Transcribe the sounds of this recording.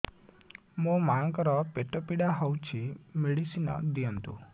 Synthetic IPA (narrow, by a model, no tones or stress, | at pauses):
mõmaŋkɾɔpeʈɔpiɽaɦɔwt͡ʃʰimeɽisinɔ̰d̪ijɔnt̪ṵ